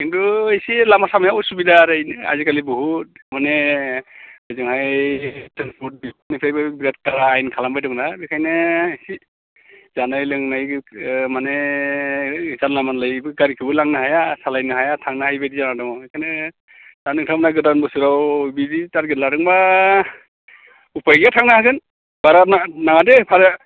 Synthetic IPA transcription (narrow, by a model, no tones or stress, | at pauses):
kintuesilamasamjausubidaɾɯjna̰zikalibɔɦut̚manɛ | bəzɯŋɦajtʰanpʰut̚binipʰajbɯbiɡat̚kaɾaːjnkʰalambajdɯŋnabekʰajnɛesi | zanajlɯŋnajmanɛ | zanlamanlajbɯɡaɾikʰɯbɯlaŋnaɦajasalajnɯɦajatʰaŋnahajbedizanadɯŋɔekʰajnɛ | tanɯŋtʰamnaɡɯdanbɯsuɾawbiditatɡɯdlaɾɯŋba | upʰajɡijatʰaŋnahakɯn | b̥aɾaanaŋadɛpʰaɾɯ